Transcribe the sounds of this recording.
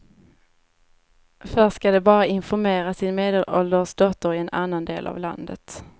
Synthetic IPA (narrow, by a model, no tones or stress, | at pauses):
fœʂkad̪ɛbɑːɾaɪnfɔɾmeːɾasɪnmeːd̪ɛlʔɔld̪əsd̪ɔt̪ːəɾɪɛnʔa̰nːand̪eːla̰vla̰nd̪ə̰t̪